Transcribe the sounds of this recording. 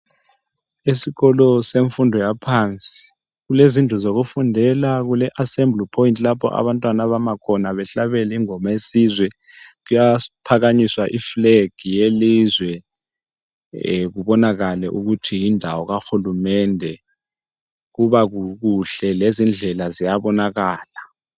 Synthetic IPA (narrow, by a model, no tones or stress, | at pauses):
esiɣɔlɔseɱfundʱɔjapʰant͡sʼi̥ | k̬ulezindʱʼɔzok̬ufundʱɛlak̬ulɛʔasɛmblipʰɔjintʼilapʰɔ̰ʔa̰ɓantʼwanaɓamakʰɔnaɓɛɬaɓɛliŋɔmaesizwɛk̬ujapʰak̬aɲiswaʔifleɡ̥ʱijelizwɛ | k̬uɓɔnak̬alɛʔuk̬utʰijindʱawɔk̬axulumɛndʱɛ | k̬uɓak̬uk̬uɬɛlezind͡ɮʱɛlazijaɓɔnak̬aːla